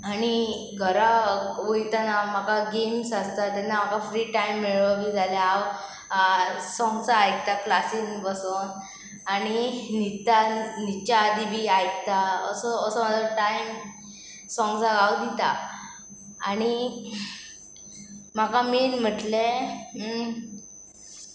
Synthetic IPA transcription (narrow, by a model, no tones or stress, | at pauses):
aɽ̃i | ɡʱəɾaojt̪anam̤akaɡemsast̪at̪ɛnːam̤akafɾiːʈajmːeɭəbʱid͡zaljaw | sɔ̃ŋɡt͡saajk̚t̪aklasiŋbəson | aɽ̃init̪anit͡ɕaːd̪ʱibʱiajk̚t̪aəsɔːsəmət̪ləʈajm | sɔ̃ŋɡd͡zaɡawd̪it̪a̰ | aɽ̃i | m̤akaminm̤əʈle